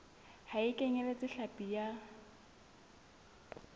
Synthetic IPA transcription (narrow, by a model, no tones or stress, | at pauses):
haɪkʼɛɲɛlet͡sʼɪɬapʼija